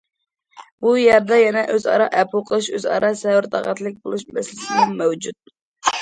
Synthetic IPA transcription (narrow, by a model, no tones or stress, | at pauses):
b̥ujɛɾd̪ɛjɛnɛʔøzɑ̰ɾɑʔɛpʰuqʰəlˠɨʃøzɑ̰ɾɑsɛwɾt̪ʰɑ̰ʁɑ̰t̪lˠɪk̚ʲbolˠuʃmɛsɪlɪt̪ɪmuŋmɛwd͡ʒut̪̚